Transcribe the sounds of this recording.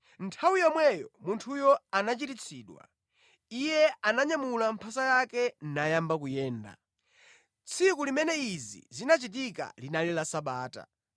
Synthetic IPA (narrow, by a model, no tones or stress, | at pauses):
ntʰawijɔmwɛjɔ̰muntʰujɔanat͡ʃitit͡sʰiːɗwa̰ | ijɛanaɲamulam̩pʰasajakɛnnajambak̬ujɛːnda̰ | t͡sʰikulimɛnɛizḭzinat͡ʃit̬ika̰linalilasaɓaːta̰